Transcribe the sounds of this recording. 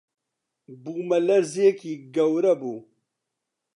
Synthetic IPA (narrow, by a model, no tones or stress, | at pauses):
buːmɐlɐɾzeːkiːɡɐwɾɐbuː